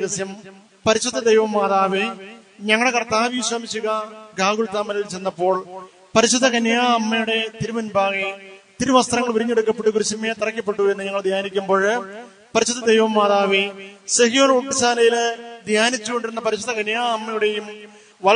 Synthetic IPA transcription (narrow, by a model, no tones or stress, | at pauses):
ɣɐsjɐm | pɐɾiɕud̪ːɐd̪ejʋɐmːaːðaːʋi | ɲɐŋːɐɭɽekɐrt̪aːʋiɕʋɐːmit͡ɕːuɣɐɡaːɡuɭt̪ːaːmːɐlilt͡ɕenːɐpːo̞ːɭ | pɐɾiɕud̪ɐɡɐnjaːɐmːɐjuɽe̞t̪iɾumɐnbʱaːɣit̪iɾuʋɐst̪rɐŋːɐɭʋuɾiɲːeɽukːɐpːeʈːukuɾuɕɐmːet̪irɐkʲːɐpːe̞ʈːue̞nːɨɲɐŋːɐɭd̪ʱjaːnikʲːumbo̞ːɻ | pɐɾiɕud̪ɐd̪ejʋɐmːaːðaːʋisɐɦijoːnuʈːisaːlɐjild̪ʱjaːnit͡ɕːuko̞ɳɖiɾunːɐpɐɾiɕud̪ɐkɐnjaːɐmːɐjuɽe̞jum | ʋɐ